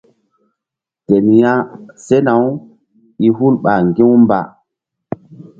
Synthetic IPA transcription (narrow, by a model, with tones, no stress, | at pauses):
te˨ni˨ja˦se˦na˨w | i˦ɦu˦lɓa˨ŋɡi˦wmba̰˨